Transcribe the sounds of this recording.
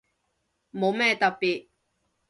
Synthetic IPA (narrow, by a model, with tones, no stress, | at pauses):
mo˨˧wmɛː˥t̪ɐ˨t̚piː˨t̚